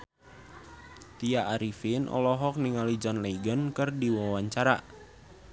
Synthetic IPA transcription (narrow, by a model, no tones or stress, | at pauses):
t̪iaʔːɾifɪnʔɔ̰lɔɦɔk̚niŋalid͡ʒɔnleiɡənkɨrdiwawaɲt͡ʃaɾa̰